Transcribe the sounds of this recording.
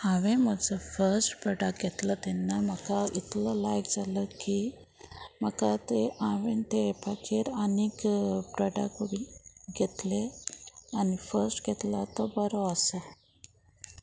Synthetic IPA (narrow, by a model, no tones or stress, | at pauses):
hãʋẽməd͡zəfəɾsʈpɾɔɖək̚ɡʱɛt̪lət̪enːaməkait̪lɔlajkd͡zʱaləki | m̤əkat̪eʔãʋent̪epakʰeɾanikpɾɔɖakʋiɡʱet̪le | anifəɾsʈɡʱet̪lat̪ɔbəɾoəsə